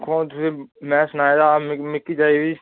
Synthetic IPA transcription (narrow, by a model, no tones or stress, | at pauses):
kʰõːt̪ʊseːmɛ̃ːsənaːeːd̪aːmɪkːiːd͡ʒaːiːd̪iː